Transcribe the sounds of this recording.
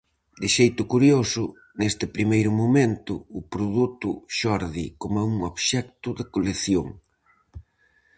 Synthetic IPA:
d̪ɪʃejt̪ʊkuɾjosʊ | nest̪ɪpɾimejɾʊmomẽnt̪ʊːpɾoðut̪ʊʃɔɾðikomauŋoβʃɛk̚t̪ʊðɪkoleθjoŋ

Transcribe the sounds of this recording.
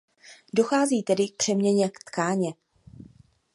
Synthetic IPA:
do̞xaːziːt̪ɛdɪk̚pr̥ɛmɲɛɲɛkt̪kaːɲɛ

